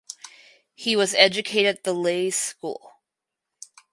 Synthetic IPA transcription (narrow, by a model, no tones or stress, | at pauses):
hiwʌzɛd͡ʒɨkʰeɪɾɨɨt̪̚ðəleɪskṵlˠ